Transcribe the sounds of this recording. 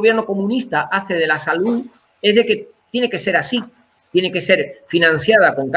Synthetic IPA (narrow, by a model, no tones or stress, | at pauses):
βjeɾno̞ko̞mũnist̪aʔaθe̞ð̞e̞lasaluð | e̞zðe̞ke̞ | t̪je̞ne̞ke̞se̞ɾasi | t̪je̞neke̞se̞ɾfinãn̟θjað̞ako̞ŋk